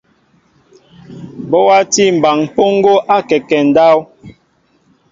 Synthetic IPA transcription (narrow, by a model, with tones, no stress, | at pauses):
bɔ˦wa˦ti˦˨m̩˨ba˨ŋ˨po˦ŋ˦ɡo˦ʔa˦kɛ˨kɛ˨n̩˨˦da˦w